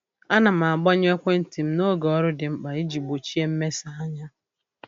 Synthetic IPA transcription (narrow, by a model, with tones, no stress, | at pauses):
a˦na˨m̩˨a˨ɡ͡bɔ˦ɲ˦e˦kʷe˦n̩˦ti˨m̩˦no˦ɡɔ˦ɾʊ˦dɪ˨m̩˦k͡pa˨i˦d͡ʒi˨ɡ͡bo˨t͡ʃi˦e˦m̩˦me˦sa˨˦a˦ɲa˦